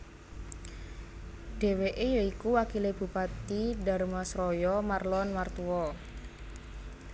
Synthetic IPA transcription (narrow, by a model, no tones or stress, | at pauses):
ɖ̥e̤weʔejɔikuwakileb̥ṳpat̪iɖa̤rmasrɔjɔmarlɔnmart̪uɔ